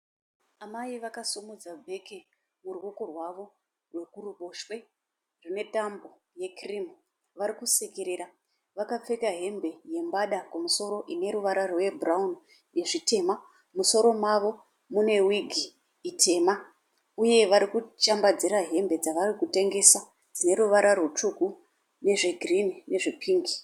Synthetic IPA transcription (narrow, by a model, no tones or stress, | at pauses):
amaiʋakasumud͡zabʱe̞ke | murwokorwaʋo̞ | rwe̞kuɾuɓoʃwe̞ | rine̞tambo̞ | je̞kirimu | ʋaɾikusekeɾeɾa | ʋakap͡fe̞kaɦe̞mbe̞je̞mbaɗakumuso̞ɾo̞ʔine̞ɾuʋaɾarwe̞braun | je̞ʐite̞ma | muso̞ɾo̞maʋo̞ | mune̞wiɡʱi | itʰe̞ma | uje̞ʋaɾikut͡ʃambad͡ziɾaɦe̞mbe̞d͡zaʋarikute̞ŋɡe̞sa | d͡zine̞ɾuʋaɾʔarwot͡ʂuku | ne̞ʐe̞ɡʱirinine̞ʐepʰiːŋɡi